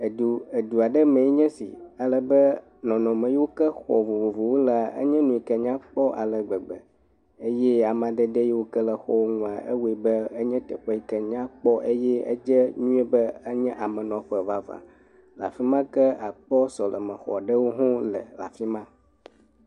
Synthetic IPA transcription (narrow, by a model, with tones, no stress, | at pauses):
e˨du˨e˨d̪u˨a˨ɖɛ˦mɛ̃˨i˦ɲɛ̃˦sḭ˨a˨lə˨bɛ˦ | nɔ̃˨nɔ̃˨mɛ̃˨ji˦wo˦kɛ˦xɔ̰˨vo˨vo˨vo˨wo˦la˨ə̰˦ɲɛ̃˦nũ˨i˨kɛ˦ɲã˦k͡pɔ˦ʔa̰˨lə˨ɡ͡bɛ˨ɡ͡bɛ˨ | e˦jɛ˦a˨mã˨d̪ɛ˦d̪ɛ˦je˦wo˦kɛ˦lə˨xɔ̰˦wo˦ŋũ˨a˨ʔḛ˦we˨bɛ˦ə˦ɲɛ̃˦t̪ɛ̰˨ɸɛ˦i˦kɛ˦ɲã˦k͡pɔ˦ʔe˦jɛ˦ə̰˦d͡ʒɛ˦ɲũ˦ɛ˦bɛ˦ə˦ɲɛ̃˦ʔa˨mɛ̃˨nɔ̃˨ɸɛ˨va˨va̰˨ | la̰˨fi˦mã˦kɛ˦a˨k͡pɔ˦sɔ˨lə˨mɛ̃˨xɔ̰˨ɖə˦wo˦ɦɔ̃˦lə˨la̰˨fi˦mã˦